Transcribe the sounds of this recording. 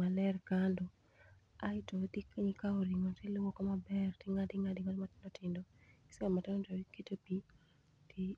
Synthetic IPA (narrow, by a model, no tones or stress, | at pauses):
alɛrkando | aɪtodikɲikaoɾɪŋɔtɪlowokɔmabɛrtɪŋadɪŋadɪŋatmatɪndɔtɪndɔɪ̥sɛmatɪnɔtoketopi | tʰi